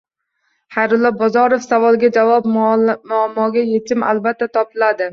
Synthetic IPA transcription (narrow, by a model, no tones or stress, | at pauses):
χajɾʊlˠːɒbɒzɒɾofsavɒlˠɡʲad͡ʒavɒpmʊamːɒɡʲaje̞t̪ʰɪma̰lbat̪ʰːat̪ʰɒpɪlad̪ɪ